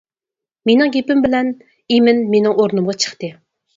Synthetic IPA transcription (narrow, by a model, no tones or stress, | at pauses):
menɪŋɡʲepɪmbɪlɛn | imɪnmenɪŋoɾnumʁɑt͡ʃʰə̥χt̪ɨ